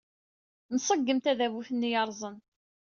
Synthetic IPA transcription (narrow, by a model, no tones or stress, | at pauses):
nəsˤəɡːəmt̪æðævuθənːijɑɾˤzˤən